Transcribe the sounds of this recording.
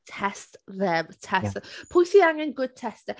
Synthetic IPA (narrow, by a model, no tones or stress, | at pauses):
tʰɛstðɛvtʰɛsɛpʰʊjθiaŋɛnɡʊd̥̚tʰɛstə